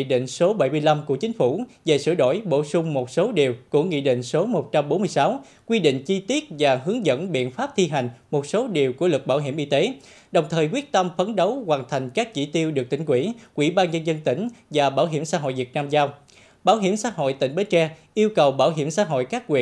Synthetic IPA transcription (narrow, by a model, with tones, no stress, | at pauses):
i˧ɗḭ˧˨ŋ̟so˨˦ɓa˧˩jmɨ˧əjla˧mku˧˩ət͡ɕï˨˦ŋ̟fu˧˩ve˨˩sɨ̰˧˩əɗo̰˧˩jɓo˧˩sʊ˧ŋ͡mmo˨˩t̚so˨˦ɗi˨˩əwkṵ˧˩əŋḭ˧˨ɗḭ˧˨ŋ̟so˨˦mo˨˩t̚t͡ɕa˧mɓo˨˦nmɨ˧əjsaː˨˦w | kwi˧ɗḭ˧˨ŋ̟t͡ɕi˧t̪i˦˥ət̚vaː˨˩ɦɨ˨˦əŋzə̰˧˥nɓḭ˧˨ənfaː˦˥p̚t̪ʰi˧ɦa˨˩jŋ̟mo˨˩t̚so˨˦ɗi˨˩əwku˧˩əlɨ˨˩k̚ɓaː˧˩wɦḭ˧˩əmʔi˧t̪e˨˦ | ɗə˨˩wŋ͡mt̪ʰəː˨˩jkwi˦˥ət̚t̪ə˧mfə˨˦nɗə˨˦wkwaː˨˩nt̪ʰa˨˩jŋ̟kaː˦˥k̚t͡ɕḭ˧˩t̪i˧əwɗɨ˨˩ək̚t̪ï˧˩ŋ̟kwḭ˧˩kwḭ˧˩ɓaː˧nɲə˧nzə˧nt̪ï˧˩ŋ̟vaː˨˩ɓaː˧˩wɦi˧˩əmsaː˧˥ɦo̰˧˨jvi˨˩ət̚naː˧mzaː˧w | ɓaː˧˩wɦi˧˩əmsaː˧˥ɦo̰˧˨jt̪ï˧˩ŋ̟ɓe˨˦t͡ɕɛ˧ʔi˧əwkə˨˩wɓaː˧˩wɦi˧˩əmsa̰ː˧˥ɦo̰˧˨jkaː˦˥k̚kwḭ˧˨